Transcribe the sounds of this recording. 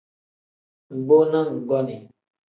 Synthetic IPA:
ŋ̩˨ɡ͡bo˦na˦ŋ̩˨ɡɔ˦ni˨

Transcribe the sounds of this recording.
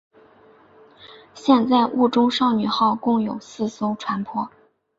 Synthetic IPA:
ɕjɛ˥˧nt͡sa˥˧ɪʔu˥˩ʈ͡ʂʊ˥ŋʂɑ˥˩ʊny˨˩xɑ˥˧ʊkʊ˥˩ŋjo˨˩ʊsɹ̩˥˩so˥ʊʈ͡ʂʰwa˧˥npʰwɔ˥˩

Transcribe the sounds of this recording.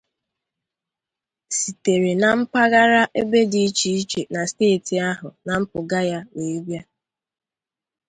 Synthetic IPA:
si˨te˨ɾe˨na˨m̩˦pa˦ɣa˦ɾa˦ʔe˦be˦di˨i˦t͡ʃi˨i˦t͡ʃe˨na˨steː˦˨ti˨a˦ɦʊ˨na˨m̩˦pʊ˨ɡa˦ja˦we˨e˦bja˦

